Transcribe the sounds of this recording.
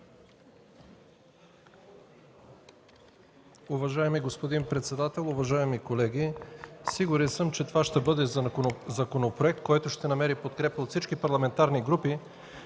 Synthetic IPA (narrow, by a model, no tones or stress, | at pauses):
uvɐʒaɛmiɡospod̪inpɾɛt̪sɛd̪at̪ɛlˠʊvɐʒaɛmikolɛɡʲisiɡuɾɛnsɤmt͡ʃɛt̪ovaʃt̪ɛbɤd̪ɛzɐkonopɾoɛk̚t̪̚kɔjt̪ʊʃt̪ɛnɐmɛɾipot̪kɾɛpəot̪sit͡ʃkipɐɾlˠɐmɛnt̪aɾniɡɾupi